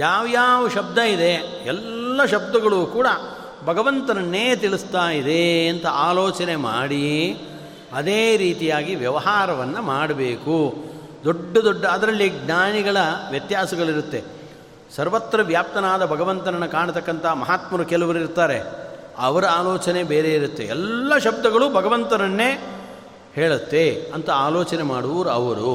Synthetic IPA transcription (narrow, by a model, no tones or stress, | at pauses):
jaːʋjaːʋɐʃɐb̚d̪ʱɐid̪e̞ | ɛlːɐʃɐb̚d̪ɐɡɐɭuːkuːɽɐ | bʱɐɡɐʋɐnt̪ɐnɐnːeːt̪iɭist̪aːjid̪e̞ɐnt̪ɐʔaːloːt͡ʃɐnema̰ːɽi | ɐd̪eːɾiːt̪ijaːɡiʋjɐʋɐɦaːɾɐʋɐnːɐmaːɽɐbeːku | d̪oɖːɐd̪oɖːɐɐd̪ɐɾɐlːiɡɲaːniɡɐɭɐʋjɐt̪jaːsɐɡɐɭiɾut̪ːe̞ | sɐɾʋɐt̪ɾɐʋjaːp̚t̪ɐnaːd̪ɐbʱɐɡɐʋɐnt̪ɐɾɐnːɐkaːɳt̪ɐkːɐnt̪ʰɐɦɐmɐɦaːt̪mɐɾukɛlɐʋɐɾiɾt̪aːɾe̞ | ɐʋɐɾɐaːloːt͡ʃɐnebeːɾe̞iɾut̪ːe̞ɛlːɐʃɐb̚d̪ɐɡɐɭubʱɐɡɐʋɐnt̪ɐɾɐnːe̞ | heːɭut̪ːe̞ɐnt̪ɐaːloːt͡ʃɐnemaːɽuʋɐɾuɐʋɐɾu